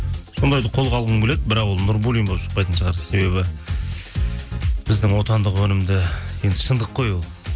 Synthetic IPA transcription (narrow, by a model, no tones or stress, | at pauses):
so̞nd̪ɑjd̪əqʰo̞lˠʁʰɑlˠʁənbʲeled̪̚bɪɾɑqwo̞lˠnuɾbulʲˠijmbopʃə̥q̚pɑjt̪ənʃəʁɑɾse̞be̞bɪ | b̥ɪzd̪ɪŋwo̞t̪ɑnd̪əqwɵnɪmd̪ɪje̞nd̪ɪʃənd̪əqːo̞jwo̞lˠ